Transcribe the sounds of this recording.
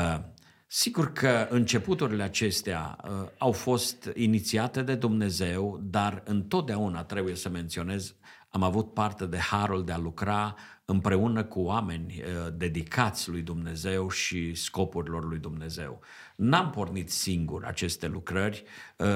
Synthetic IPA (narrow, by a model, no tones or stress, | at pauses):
siɡurkʰəɨnt͡ʃe̞put̪uɾile̞at͡ʃe̞st̪ea̰əawfo̞st̪init̪siat̪e̞d̪e̞d̪umne̞ze̞wd̪arɨnt̪o̞t̪̚d̪eaunat̪ɾe̞buje̞səme̞nt̪sio̞ne̞z | amavut̪̚part̪e̞d̪e̞haɾuld̪e̞alukɾa | ɨmpɾe̞unəkuoame̞nʲd̪e̞d̪ikʰat̪sʲlujd̪umne̞ze̞wʃisko̞puɾilo̞rlujd̪umne̞ze̞̰w | nampo̞rnit̪siŋɡṵrʲa̰t͡ʃe̞st̪e̞lukɾərʲ